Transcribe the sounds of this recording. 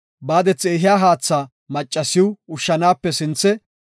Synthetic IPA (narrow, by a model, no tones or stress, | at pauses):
baːd̪ɛt͡sːeːɦɪjaːɦaːt͡sːaː | mɐt͡ʃʼːɐsɪwʊʃːɐnaːpːɛsɪnt͡sːɛ